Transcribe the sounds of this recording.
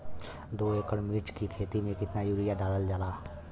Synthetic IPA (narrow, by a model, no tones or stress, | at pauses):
d̪oːeːkəɾmɪɾt͡ʃkikʰeːt̪imẽkɪt̪najuːɾijad̪aːləld͡ʒaːlaː